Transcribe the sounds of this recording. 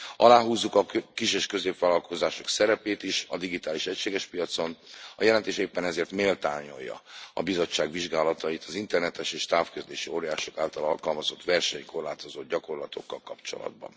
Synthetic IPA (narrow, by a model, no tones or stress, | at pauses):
ʔɒlaːɦuːzːukɒkiʃeʃkø̞zeːpʋaːlɒlkʰo̞zaːʃo̞ksɛɾɛpeːt̪iʃɒd̪iɡit̪aːliʃɛcʃeːɡɛʃpijɒt̪so̞nɒjɛlɛnt̪eːʃeːpːɛnɛzeːrt̪meːlt̪aːɲo̞̰jːɒ̰ɒbizo̞t͡ʃːaːɡʋiʒɡaːlɒt̪ɒit̪ɒzint̪ɛrnɛt̪ɛʃeːʃt̪aːfkøzd̪eːʃioːɾijaːʃo̞kaːlt̪ɒlɒlkɒlmɒzo̞t̪ʋɛrʃɛɲko̞rlaːt̪o̞zoːd̪̚ɟɒko̞rlɒt̪o̞̰kːɒlkːɒpt͡ʃo̞̰lɒ̰d̪̚bɒ̰n